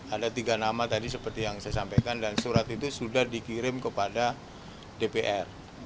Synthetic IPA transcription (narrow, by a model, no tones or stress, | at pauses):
adat̪iɡanamat̪adisəpərt̪ijaŋsajasampajkandansuɾat̪it̪usudahdikiɾɪmkəpada | depeʔɛr